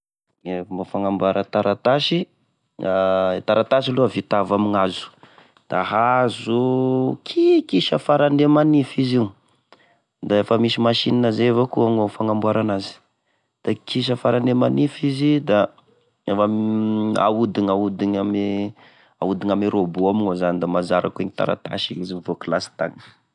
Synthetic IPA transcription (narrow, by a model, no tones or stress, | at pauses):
emafaŋambaɾət̪aɾat̪aʃi | t̪aɾat̪aʃiluavit̪avamiŋazu̥ | d̪̥aɦazukʰikiʃəfaɾand̪emanifiziu | d̪aefəmisimaʃininazevakuaŋofaŋambwaɾanazi̥ | d̪̥akiʃ̬əfaɾanemanifizid̪a | efama̰ud̪iɲaud̪iɲam | a̰ud̪iɲameɾobuamiŋozanid̪amazaɾa̰kueɲit̪a̰ɾa̰t̪a̰ʃiiziivoklasi̥t̪a̰ŋə̥